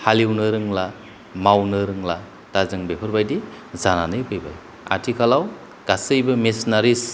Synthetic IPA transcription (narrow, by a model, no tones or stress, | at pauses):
haliwnɯɾɯŋla | mawnɯɾɯŋla | tazɯŋbepʰɯɾbajdi | zananɯjpʰɯjba̰j | a̰ɾtʰikʰalaw | ɡ̥asɯjbɯmesnaɾis